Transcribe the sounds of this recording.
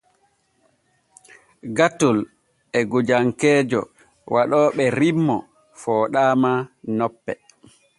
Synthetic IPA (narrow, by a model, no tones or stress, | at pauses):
ɡatul | ɛɡud͡ʒaŋkɛːd͡ʒɔ̰ | wʔaɗɔːɓɛɾimːɔ | fɔːɗaːmanɔpːɛ